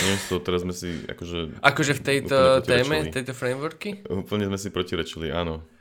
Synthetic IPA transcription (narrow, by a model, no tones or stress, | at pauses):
ɛɛst̪ɔt̪ɛɾazzmɛsia̰kɔʒɛʔakɔʒɛft̪ɛj̪ɔt̪ɛːmɛit̪ɛjt̪ɔfɾɛjmʋuɾkiuːpl̩ɲɛzmɛsipɾɔciɾɛt͡ʃiliaːnɔ